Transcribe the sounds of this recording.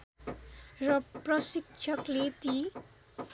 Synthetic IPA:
rʌprʌsik̚t͡ʃʰʌklet̪i

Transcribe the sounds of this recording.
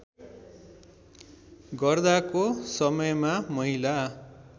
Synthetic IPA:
ɡʌrd̪akosʌmʌjmamʌɦila

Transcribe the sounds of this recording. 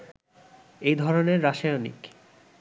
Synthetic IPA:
ejd̪ʱɔɾoneɾːaʃijanḭk

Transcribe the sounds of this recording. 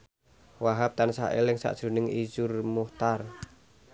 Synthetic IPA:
waɦap̚t̪ansa̰ʔḛlɪŋsa̰ʔd̥ʒ̥ṳnɪŋid͡ʒʊrmuht̪ar

